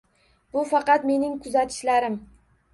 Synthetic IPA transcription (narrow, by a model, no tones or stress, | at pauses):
bʊfɑqɑt̪me̞nɪŋkʰʊzat̪ʰɪ̥ʃlaɾɪm